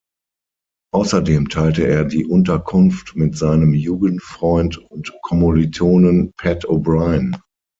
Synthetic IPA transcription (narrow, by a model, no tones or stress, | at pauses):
ʔaʊsɐdeːmtʰaɪltəeːɐdiːʔʊntɐkʰʊnftmɪtz̥aɪnəmjuːɡəntfʁ̥ɔʏntʊntkʰɔmolitʰoːnənpʰɛtobʁaɪn